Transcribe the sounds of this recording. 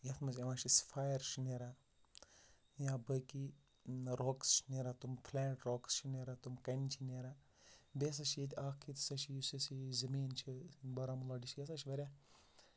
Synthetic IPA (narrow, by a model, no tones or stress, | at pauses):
jɐt̪ʰmɐzʲɐʋãːʃʰisfʰaːjɐɾʃineɾa | jaːbəki | ɾoːkst͡ʃʰneɾat̪umpʰlɛːʈɾoːkst͡ʃʰineːɾat̪umkɐnt͡ʃʰineɾa | bes̬ɐʃijet̪ʰʲaːkʰit̪sɐʃʰijusisizɐmiːnt͡ʃʰibɐɾamulaɖiʃijɐsɐʃʰiʋɐɾʲa